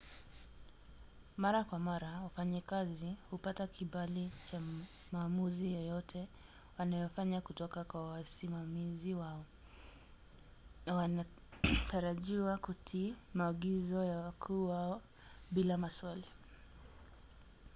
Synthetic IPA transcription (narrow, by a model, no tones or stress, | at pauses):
maɾakwamaɾawafaɲakazihupatakiɓalit͡ʃa | maːmuzijɔjɔtʰɛ | wanajɔfaɲakutɔkakwawasimamiziwaɔ | nawana | taɾaʄiwakutʰiːmaːɠizɔjawakʰuːwaɔ | ɓilamaswali